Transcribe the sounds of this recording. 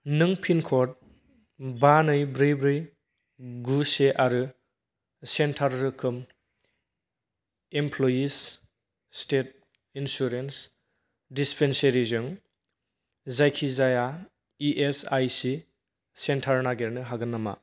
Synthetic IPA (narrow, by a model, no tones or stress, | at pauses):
nɯŋpʰinkʰɔɾt̚ | banɯjbɾɯjbɾɯj | ɡuseʔaɾɯ | sentʰaɾɾɯkʰɯm | empʰlojisː | tet̚ | insuɾens | dispʰenseɾizɯŋ | zajkʰizaja | iʔesajsi | sentʰaɾnaɡeɾnɯɦaɡɯnːama̰